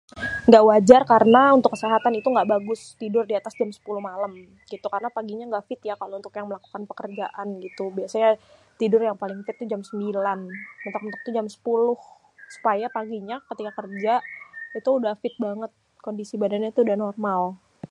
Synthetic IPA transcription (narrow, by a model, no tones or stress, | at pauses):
ŋɡaʔwad͡ʒarkaɾənaunt̪ʊkːəseɦat̪anit̪uŋɡaʔbaɡʊst̪idʊrdiat̪asd͡ʒamsə̥pulʊhmaləm | ɡ̥it̪ukarənapaɡiɲaŋɡaʔfɪt̪jakalount̪ʊkjaŋməlaku̥kanpəkərd͡ʒaʔanɡit̪ubiasaɲat̪idʊrjaŋpalɪŋfɪt̪̚ːud͡ʒamsəmbilanmənt̪ak̚mənt̪ək̚t̪ud͡ʒamsə̥pulʊh | su̥pajapaɡiɲakət̪ikakərd͡ʒait̪uːdahfɪt̪̚baŋət̪̚ | kondisibadanɲat̪udahnɔrmal